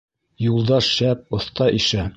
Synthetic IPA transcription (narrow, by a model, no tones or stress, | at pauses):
julˠd̪ɑʃʃæp̚ŏθt̪ɑʔiʃæ